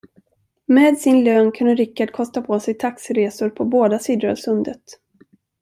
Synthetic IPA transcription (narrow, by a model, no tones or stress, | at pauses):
meːd̪sɪnløːnkʰɵnd̪əɾɪkːaɖ̚kʰɔst̪apʰoːsɛjt̪ʰaksɪɾeːsʊɾpʰɔboːd̪asid̪ɾə̰lsɵnd̪ət̪